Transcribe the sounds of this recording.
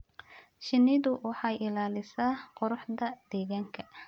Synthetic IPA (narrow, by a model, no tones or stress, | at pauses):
ʃɪnːɪðʊwɑħɑjʔɪlaːlɪsaːqɔɾʊħd̪ɐd̪ɛːɣaːŋkʰɐ